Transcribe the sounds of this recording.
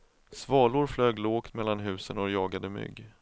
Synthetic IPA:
svɑːlʊɾfløːɡloːkt̪mɛlːanɦʉ̟ːsənɔjɑːɡad̪əmʏ̰ɡː

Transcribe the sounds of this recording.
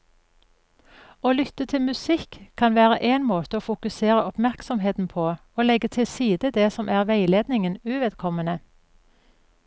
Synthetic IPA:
oːlʏt̪ət̪ʰɪlmʉsɪkʰːɑnʋæːʁəʔeːnmoːt̪əoːfʊkʉseːʁəɔpmæʁksɔmɦeːt̪n̩pʰoː | oːlɛɡət̪ʰɪlsiːd̪əd̪ɛsɔmʔæːʁʋæɪleːd̪nɪŋənʉːʋɛd̪kʰɔmənə

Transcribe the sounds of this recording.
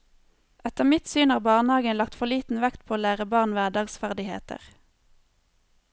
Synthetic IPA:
ʔɛt̪əʁmɪt̪syːnhɑːʁbɑːʁnhɑːɡənlɑk̚t̪fɔʁliːt̪n̩ʋækt̪̚pʰoːoːlæːʁəbɑːʁnʋæːɖɑːɡsfæʁd̪ɪhḛːt̪ə̰ʁ

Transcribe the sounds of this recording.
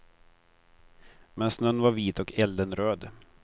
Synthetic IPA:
mɛnsnœnːvaɾviːt̪ɔkʰɛld̪ənɾøːd̪

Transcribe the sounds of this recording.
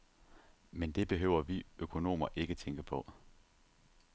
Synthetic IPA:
mend̥e̝b̥e̝ɦø̰ʊ̰ɐʋiøkʰo̝no̝̰ːmɐʔe̝ɡ̥ət͡sʰeŋɡ̥əpʰɒ̽

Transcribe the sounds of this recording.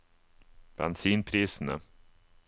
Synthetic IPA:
b̥ɛnsiːnpʰɾiːsnə̰

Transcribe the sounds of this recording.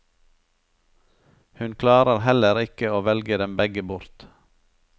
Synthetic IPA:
hʉnkʰlɑːɾəɾhɛləɾɪkəoːʋɛlɡəd̪ɛmbɛɡəbʊɾt̪

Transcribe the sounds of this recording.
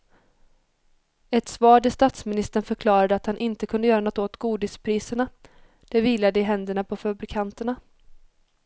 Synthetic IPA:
ɛt̪svɑːɖɪst̪at̪smɪnɪst̪əɳfœɾkʰlɑːɾad̪əat̪hanʔɪnt̪əkʰɵnd̪əjœːɾanɔt̪ːoːt̪ɡuːd̪ɪspʰɾiːsəɳa | d̪̥ɛviːlad̪əɪɦɛnd̪əɳapʰɔfabɾɪkʰant̪əɳa

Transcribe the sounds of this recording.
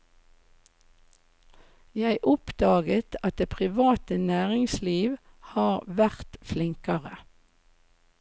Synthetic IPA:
jæɪʔɔpd̪ɑːɡət̪ʰɑt̪̚d̪eːpʰʁɪʋɑːt̪ənæːʁɪŋsliːʋ | hɑːʁʋæʁt̪flɪŋkəʁə

